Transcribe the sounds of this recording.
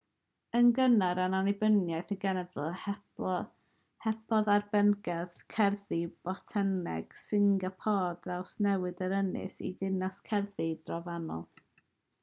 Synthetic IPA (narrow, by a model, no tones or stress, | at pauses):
ənɡənaɾananɪbənjajθənɡɛnɛvləɛ | hɛpʰɔðarbɛnɡɛðkʰɛrðib̥ɔtʰɛnɛ̰ɡ̥sɪŋɡapʰɔːdrawsnɛwɨdəɾənɪ̰sḭðɪnaskʰɛrðid̥rɔvanɔ̰lˠ